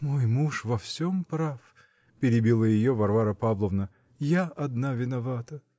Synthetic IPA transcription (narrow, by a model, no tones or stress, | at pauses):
mo̞jmuʂvɐfsʲompɾaf | pʲɪɾʲɪbʲilˠəjɪjovɐrvaɾəpavlˠəvnə | jaʔɐd̪navʲɪnɐvat̪ə